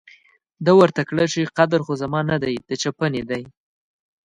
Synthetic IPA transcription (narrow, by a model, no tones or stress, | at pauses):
d̪awəɾt̪akɽət͡ʃiqad̪aɾxozamɑnad̪ajd̪̥ət͡ʃapəned̪aj